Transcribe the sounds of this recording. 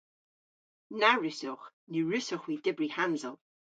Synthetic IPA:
naɹɪsʊχniɹʉsɔχwidɪbrihanzɔlˠ

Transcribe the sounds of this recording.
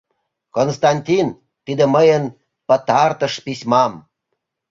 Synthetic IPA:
konst̪ɑnʲtʲin | t̪id̪ĕməjən | pə̆t̪ɑrt̪əʃpisʲmɑm

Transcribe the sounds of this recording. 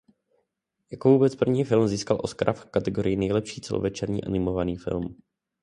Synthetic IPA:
jakovuːbɛt͡spr̩vɲiːfɪlmziːskalʔoskɾʔafkat̪ɛɡoɾɪjɪnɛjlɛpʃiːt͡sɛlo̰vɛt͡ʃɛɾɲḭːʔa̰nɪmo̞vaniːfɪ̰lm

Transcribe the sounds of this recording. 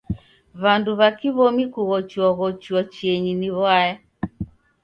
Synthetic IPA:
βanduβakiβɔmikuɣɔt͡ʃiɔɣɔt͡ʃuɔt͡ʃiɛɲiniβwajɛ

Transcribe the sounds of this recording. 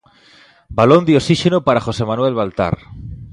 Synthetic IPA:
balond̪eosiʃenopaɾaxosemanwelβalt̪a̰ɾ

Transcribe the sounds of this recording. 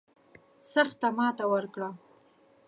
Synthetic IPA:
səɾxt̪amɑt̪awəɾkɽa

